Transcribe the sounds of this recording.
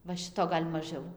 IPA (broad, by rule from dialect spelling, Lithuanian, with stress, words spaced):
ʋɐ ˈʃʲɪtoː ˈɡɐlʲ mɐˈʒʲɛʊ